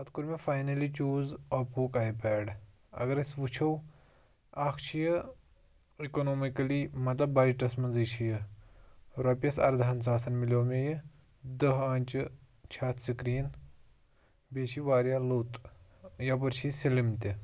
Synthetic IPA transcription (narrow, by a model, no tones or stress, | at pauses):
ɐt̪kuɾmʲefaːjnɐlit͡ʃuːzɐpuːkaːjipɛːɽ | ɐ̰ɡɐɾɐsʋut͡ʃʰɐw | aːkʰt͡ʃʰijə | ikonoːmikɐliːmɐt̪ɐbaːjiʈɐsmɐnzit͡ʃʰijə | ɾɐpʲjɐsɐ̰ɾd̪ʱaːnsaːsɐnmilʲoːmeji | d̪ɐɦãːnʲt͡ʃɨ | t͡ʃʰaːt̪ʰsikɾiːn | beːt͡ʃʰiːʋaːɾjaːloːt̪jap̬ɐɾt͡ʃʰisilimt̪i